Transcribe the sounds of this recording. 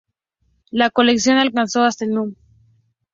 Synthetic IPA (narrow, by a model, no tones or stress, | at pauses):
lako̞leksjo̞nalkanso̞ast̪alnum